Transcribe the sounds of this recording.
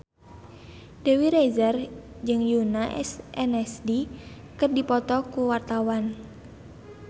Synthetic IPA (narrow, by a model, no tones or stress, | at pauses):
dɛwiɾezər | d͡ʒɨŋjunaʔɛ̰sɛnɛsdi | kərdipɔt̪ɔkuwart̪awan